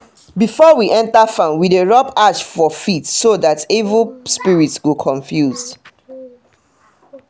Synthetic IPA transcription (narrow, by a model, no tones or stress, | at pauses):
bifɔwiʔɛ̃ntafãnwideɹɔpaʃfɔfitsoðatevəspiɹitsɡokʰɔ̃ɱfjuzd